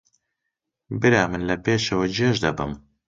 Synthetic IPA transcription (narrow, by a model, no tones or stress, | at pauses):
bɨɾaːmɨnlɐpeːʃɐwɐd͡ʒeːʒd̪ɐbɨ̰m